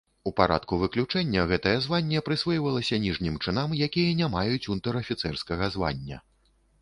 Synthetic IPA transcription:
upaɾa̰t̪kuvɨklʲut͡ʂɛnʲːɐɣɛt̪ɐjɐzvanʲːɛpɾɨsvɔjvɐlˠɐsʲɐnʲiʐnʲimt͡ʂɨnamjakʲijɐnʲamajut͡sʲunt̪ɛɾɐfʲit̪sɛrskɐɣɐzva̰nʲːɐ̰

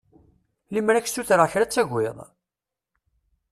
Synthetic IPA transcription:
limɾæçstːuθɾaçɾæt͡sːæʝʷːɪ̰ðˤ

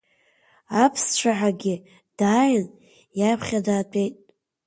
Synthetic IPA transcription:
apʰst͡ʃʷʰaħaɡʲɪ | d̥aːʕɨn | japʰχʲadaːtʷʰʼe̞jtʼ

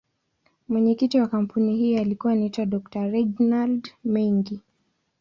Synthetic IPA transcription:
mwɛɲɛkitiwakam̩punihiːalikuwanaitwaɗɔktaɾɛd͡ʒnaldmɛŋɡi

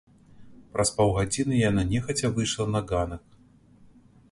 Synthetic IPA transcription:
pɾʔɐspawɣad͡zʲinɨjananʲɛxɐt͡sʲɐvɨjʂlˠɐnɐɡanɐk

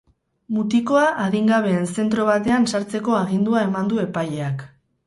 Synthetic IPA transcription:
mut̪iko̞aʔaðiŋɡaβ̞e̞ːnse̞nt̪ɾo̞β̞at̪e̞ansaɾt͡se̞ko̞aɣ̞ind̪uae̞mand̪ue̞paje̞ak

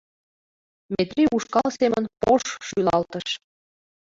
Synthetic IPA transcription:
met̪riʔuʃkɑlɤ̆semənpoʃʃylɑlt̪ə̆ʃ

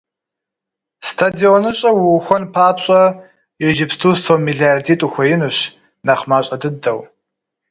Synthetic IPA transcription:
stʰadionɨɕʼɐwʊxʷɔnpʰaːpɕʼɐ | jeʒɪpʰstʰustʰowmiɮiardiːtʼuxʷɐjɪnɨɕ | naχmaːɕʼɐdɨdɐw

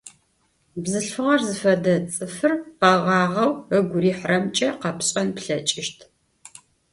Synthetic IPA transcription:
bzɨɬfɨʁɐrzɨfɐdɐt͡sʼɨfɨrqɑʁɑːʁɐwəɡʷʊɾiːħrɐmt͡ʃʼɐqɐpɕʼɐnpɬɐt͡ʃʼɪʃtʰ

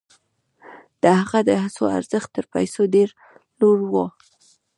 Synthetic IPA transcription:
d̪̥əhaɣad̪əɦasoa̰ɾz̥əxt̪ːəɾpa̰jsodeɾ | loɽwo

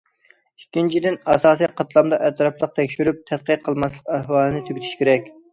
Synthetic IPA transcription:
ykʲːint͡ʃʰid̪ɪnɑsɑːsijqʰɑt̪ʰlˠɑmd̪ɑʔɛt̪ɾɑplˠəq̚t̪ʰɛkʲʃyɾyp̚t̪ʰɛt̪̚qəqʰəlˠmɑslˠəqæhwɑːlˠɨnɪt̪ʰyɡʲɪt̪ʰy̥ʃkʲeɾɛkʲ

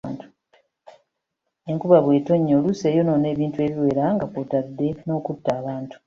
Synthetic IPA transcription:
ntu̥ | e̞ŋkuβaβwe̞ːto̞ɲːoluse̞ːjo̞no̞ne̞ːβiːntue̞ːβiwe̞ːɾaŋɡapotadːe̞no̞ːkutːaːβaːntu̥

